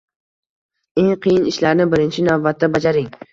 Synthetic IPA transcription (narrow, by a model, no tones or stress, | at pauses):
e̞ŋqʰɨjɪnɪʃlaɾnɪbɪɾɪnt͡ʃʰɪnavbat̪ːabad͡ʒaɾɪŋ